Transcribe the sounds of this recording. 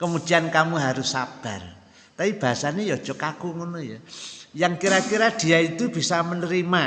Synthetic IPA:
kəmu̥d͡ʒ̥iankamuɦaɾʊsːa̰b̥a̤r | t̪apib̥a̤ɦasanejɔd̥ʒ̥ɔkakuŋonojajaŋkiɾakiɾad̪̥i̤ait̪ub̥i̤samənəɾima

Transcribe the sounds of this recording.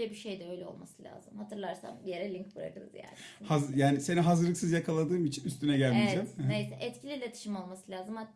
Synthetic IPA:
ɛbiʃejd̪ɛø̞jlʲɛo̞̰lˠma̰sɯlʲa̰ːzɯmhat̪ʰɯɾlˠaɾsa̰mje̞ɾɛlʲiɲkbuɾa̰kɯd̪ɯ̰zja̰ːnhazjaːniseniɦazɯɾlˠɯksɯzjakʰalˠad̪ɯːmit͡ʃʰinyst̪ynɛɟælʲmivd͡ʒɛɛmnnejsɛʔɛt̪cʰilʲilʲet̪ʰi̥ʃimo̞lˠmasɯlʲaːzɯmha

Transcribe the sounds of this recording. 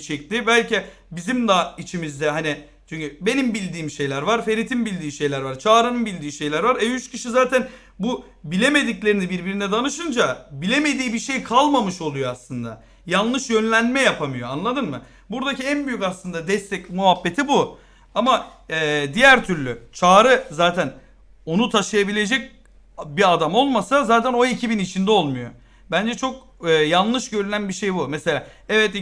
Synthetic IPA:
t͡ʃʰɛc̚t̪ibælʲci | bizimd̪ait͡ʃʰimizd̪ɛɦani | t͡ʃʰyɲʲcʰybe̞nimbilʲd̪iːmʃe̞jlʲæɾvaɾfe̞ɾit̪ʰimbilʲd̪iːʃe̞jlʲæɾvaɾt͡ʃʰaːɾɯnɯnbilʲd̪iːʃejlʲæɾvaɾɛjyt͡ʃcʰiʃizaːt̪ʰæn | bu | bilʲe̞me̞d̪iclʲe̞ɾinibiɾbiɾinɛd̪anɯʃɯnd͡ʒabilʲe̞me̞d̪iːbiʃe̞jkʰalˠmamɯʃo̞lˠujo̞aslˠɯnd̪a̰ | janˠlˠɯʃjø̞nlʲænmɛjapʰamɯjo̞anlˠad̪ɯnmɯ | buɾd̪aciænbyjycaslˠɯnd̪ad̪ɛst̪ʰɛcmuɦabːe̞t̪ʰibu | ama | ɛːd̪ijæɾt̪ʰyɾlʲyt͡ʃʰaːɾɯzaːt̪ʰæn | o̞nut̪ʰaʃɯjabilʲe̞d͡ʒɛc̚ | biad̪amo̞lˠmasazaːt̪ʰæno̞icʰibinit͡ʃʰind̪ɛo̞lˠmujo̞̰ | bænd͡ʒɛt͡ʃʰo̞k̚ | ɯːjanˠlˠɯʃɟø̞ɾynænbiʃejbumɛse̞lʲaː | ɛvɛt̪i

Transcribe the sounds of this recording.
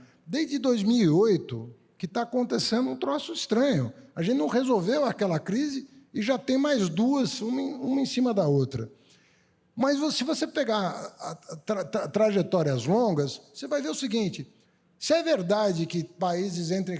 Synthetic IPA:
d̪ejzd͡ʒɪd̪ojzmiwiojt̪ʊ | kɪt̪aːkõnt̪esẽnd̪ʊũt̪ɾɔsʊɪst̪ɾɐ̃ɲʊaʒẽnt͡ʃ̪ɪñw̃hezowvewakɛlɐkɾizɪɪʒat̪ẽj̃majzd̪uɐzũm̃ũmɐẽsĩmɐd̪ɐot̪ɾɐ | mɐzvosɪvosepeɡaɾ | t̪ɾat̪at̪ɾaʒet̪ɔɾiɐzlõɡɐsosevajveɾʊsɪɡĩnt͡ʃɪ | sɪɛveɾd̪ad͡ʒɪkɪpaizɪzẽnt̪ɾɪ̃

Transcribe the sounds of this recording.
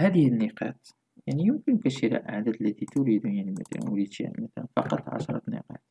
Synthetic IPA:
hæd̪əhənːiqɑ̰t̪ | jaʕnijəmkənkæʃila̰ʔa̰ʕd̪æd̪əlːæt̪it̪uɾid̪unjænmæ̰t̪æ̰l̰wlit̪ḭmæt̪ælnfɑ̰qɑt̪ˤʕɑ̰ʃɾˤɑt̪nḭqɑ̰t̪

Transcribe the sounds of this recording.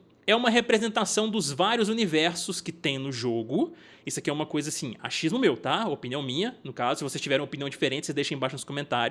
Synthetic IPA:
ɛũmɐɦepɾezẽnt̪asɐ̃w̃d̪ʊzvaɾjʊzunivɛɾsʊskɪt̪ẽj̃nʊʒoɡʊ | isʊakiɛũmɐkojzɐasĩa̰ʃizmʊmewt̪aopiniɐ̃w̃mĩɲɐnʊkazʊsɪvosest͡ʃivɛɾ̃ẽopiniɐ̃w̃d͡ʒifeɾẽnt͡ʃɪsezd̪ejʃɐ̃ẽbajʃʊnʊ̃skõmẽnt̪aɾjʊs

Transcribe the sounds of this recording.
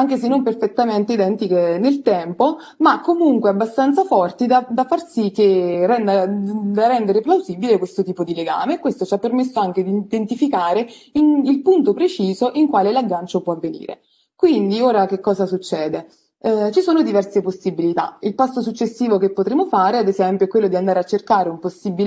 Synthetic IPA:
aŋk̟esenːomperfet̪ːament̪eid̪ɛnt̪ikenelt̪ɛmpo | makːomuŋkweabːast̪ant̪safɔrt̪id̪ad̪afːarsik̟ːerɛnd̪ad̪arɛnd̪eɾeplawzibilekwest̪ot̪iːpod̪ileɡa̰ːmekːwest̪ot͡ʃiapːermesːoaŋked̪id̪ent̪ifikaːɾeinilpunt̪opɾet͡ʃiːzoʔiŋkwaːlelaɡːant͡ʃopwɔavːenḭːɾḛ | kwind̪ioːɾak̟ekːɔːzasut͡ʃːɛːd̪e | t͡ʃisoːnod̪ivɛrseposːibilit̪a̰ilpast̪osut͡ʃːesːiːvokepːot̪ɾeːmofaːɾead̪ezɛmpjoɛkwelːod̪iand̪aːɾeat͡ʃːerkaːɾeumposːibil

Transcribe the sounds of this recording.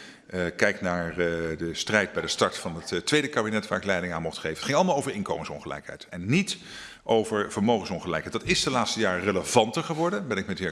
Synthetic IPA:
kɛjknaːɹdəstrɛjd̚bɛjdəstɑɹtfɑnəttːʋejdəkaːbinɛtʋaːɹɪklɛjdɪŋaːnmɔχtχejvətχɪŋɑlˠəmaːlˠowvəɹɪnko̰wmənsɔ̰nχəlɛ̰jkɦɛ̰jtɛnːit | ʔowvəɹv̥əɹmowxχənsɔnχəlɛjkɦɛjtd̥ɑtɪsdəlaːtstəjaːɹrələvɑntəɹχəʋɔɹdənbɛnɪkmɛtɪː

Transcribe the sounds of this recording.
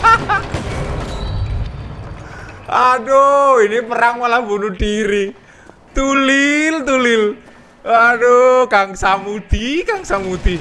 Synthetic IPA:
adoinipəɾaŋwalabunuɖiɾi | t̪ulilt̪ulɪl | adokaŋsamud̪̥ikaŋsamud̪̥i

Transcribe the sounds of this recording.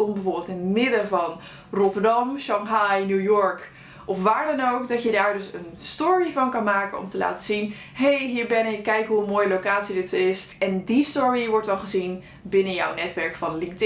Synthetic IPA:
ɔmbəvoːɹbɪlˠtɪnmɪdəvɑn | rɔtəɹdɑmʃɑŋɦɑjnuwjɔɹk | ʔɔfʋaːɹdɑnowkdɑtjədaːɹdɵsənstʊːɹivɑnkɑnmaːkənɔ̰mtəla̰ːtəzin | ɦejɦiːɹbɛnɪkːɛjkɦuəmoːjəlowkaːtsidɪtsɪsʔɛndistʊɹiʋɔɹtʋɛlˠχəzin | bɪnəjɔ̰wnɛtʋɛɹkfɑnlɪŋk̚t

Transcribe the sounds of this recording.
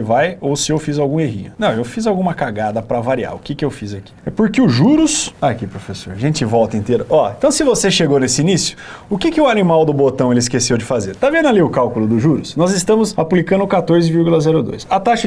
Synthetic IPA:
ɪvajowsɪewfizawɡũeɦḭ̃ɲʊnɐ̃w̃ewfizawɡũmɐkaɡad̪ɐpɾɐvaɾia̰ɾʊkɪkɪewfizaki̥ɛpʊɾkɪʊʒuɾʊsakipɾofeso̰ɾʒẽnt͡ʃɪvɔwt̪ɐĩt̪eɾɐʔɔẽt̪ɐ̃w̃sɪvoseʃeɡownesɪinisjʊ̥ | ʊkɪkɪʊanimawd̪ʊbot̪ɐ̃w̃elɪskesewd͡ʒɪfazeɾt̪avẽnd̪ʊaliʊkawkʊlʊd̪ʊʒuɾʊsnɔzɪst̪ɐ̃mʊzaplikɐ̃nʊkat̪oɾzɪviɾɡulɐzɛɾʊd̪o̰jsɐt̪aʃɐ

